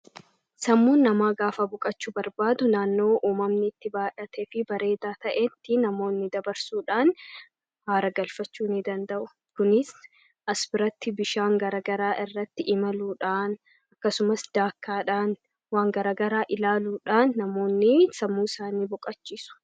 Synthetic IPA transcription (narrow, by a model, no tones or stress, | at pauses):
sɐmːuːnːɐmaːɡaːfɐbʊkʼɐt͡ʃːʊbɐɾbaːd̪ʊnaːnːo̞ːʔuːmɐmnɪːt̪ːɪbaːᶑɐt̪ʰefɪbɐɾe̞ːd̪aːt̪ɐʔɛt̪ːɪnɐmo̞ːnːɪd̪ɐbɐɾsuːᶑaːn | haːɾɐɡɐlfɐt͡ʃːuːnɪd̪ɐnd̪ɐʔʊ | kʊnɪs | ʔɐsbɪɾɐt̪ːɪbɪʃaːŋɡɐɾɐɡɐɾaːʔɪrːɐt̪ːɪʔɪmɐluːᶑaːn | ɐkːɐsʊmɐsd̪̥aːkːaːᶑaːn | waːŋɡɐɾɐːɡɐɾaːʔɪlaːluːᶑaːnːɐmo̞ːnːɪsɐmːuːɪsaːniːbʊkʼɐt͡ʃːiːsʊ̥